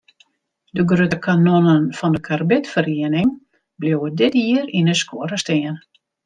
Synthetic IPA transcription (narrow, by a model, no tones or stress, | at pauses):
dəɡrøtəkʰanonənfɔndəkʰarbɪtfəriənɪŋ | blowədɪtiəɾinəskoəɾəstɪən